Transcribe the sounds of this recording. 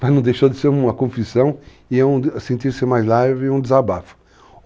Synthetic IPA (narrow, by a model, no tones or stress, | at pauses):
manɐ̃d̪ejʃod̪ɪseɾũmɐkõfisɐ̃w̃ | ɪɛũsẽnt̪iɾsɪmajzlaɾvɪũd̪ɪzabafʊ̥